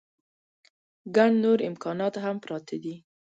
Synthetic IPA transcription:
ɡaɳnoɾɪmkɑnɑt̪ɦampɾɑt̪ʰad̪i

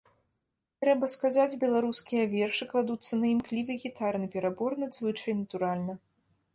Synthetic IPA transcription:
t̪ɾɛbɐskazad͡zʲbʲɛlˠaɾuskʲijɐvʲɛrʂɨklˠad̪ut̪sːɐnɐjimklʲivɨɣʲit̪arnɨpʲɛɾabɔrnɨzvɨt͡ʂɐjnɐt̪uɾalʲnɐ

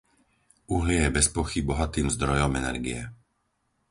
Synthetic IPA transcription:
ʔuɦlɪɛjɛbɛspɔxibɔɦat̪iːmzd̪ɾɔjɔmɛnɛ̰ɾɡḭɛ

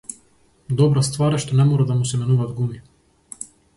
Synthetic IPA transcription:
d̪ɔbɾast̪vaɾɛʃt̪ɔnɛmɔɾad̪amusɛmɛnuvad̪ɡumi

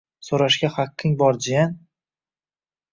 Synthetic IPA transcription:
soɾaʃɡʲaχaqʰːɪŋbɒɾd͡ʒɪjan

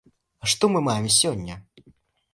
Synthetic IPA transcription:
ʂt̪ɔmɨmajɛmsʲɔnʲːɐ

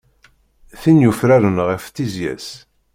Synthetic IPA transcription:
θinjufɾæɾənʁəfθizjæ̰s

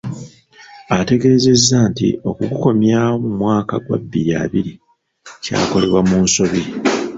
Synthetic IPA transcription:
ate̞ɡe̞ɾeze̞zːaːntḭo̞kuɡuko̞mjaːwomumwaːkaɡwa̰bːija̰ːβiɾi | ca̰ːko̞le̞βwamuːnso̞βi

